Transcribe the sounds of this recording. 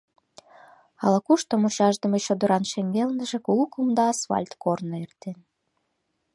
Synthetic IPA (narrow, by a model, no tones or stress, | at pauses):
ɑlˠɑkuʃt̪omuɕɑʒd̪ə̆met͡ɕod̪oɾɑnʃemʲɡelnə̆ʒĕkulˠkumd̪ɑːsfɑ̰lʲt̪kornŏert̪en